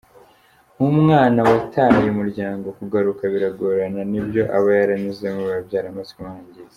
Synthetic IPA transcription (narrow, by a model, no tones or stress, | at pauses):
mumŋaːnawatʰaːjumuɾɟaːŋɡo̞kuɡaɾukaβiɾaɡoɾananibjo̞ʔaβajaɾamizemuβabɟaːɾamazkimaːɲɟiz